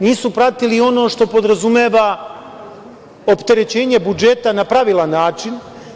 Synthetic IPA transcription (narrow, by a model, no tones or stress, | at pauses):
niːsupɾat̪ilio̞no̞ːʃt̪o̞po̞d̪ɾazumjeːʋa | o̞pt̪e̞ɾe̞t͡ɕe̞ːɲe̞bud͡ʒe̞t̪anapɾaʋilˠanːaːt͡ʃin